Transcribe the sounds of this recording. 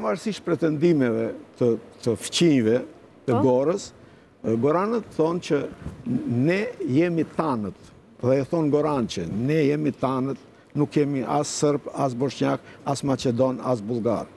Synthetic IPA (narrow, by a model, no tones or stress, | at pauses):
pvaɾsiʃpɾɛt̪ɛnd̪imɛvɛt̪ət̪əft͡ɕiɲvɛ | t̪əɡɔɾəs | ɡɔɾanət̪θɔnt͡ʃə | nɛjɛmit̪anət̪ | ðɛθɔnɡɔɾant͡ʃənɛjɛmit̪anət̪ | nukjɛmiʔasːəɾbas̬bɔʃɲakasmat͡ʃɛd̪ɔna̰s̬bulˠɡa̰ɾ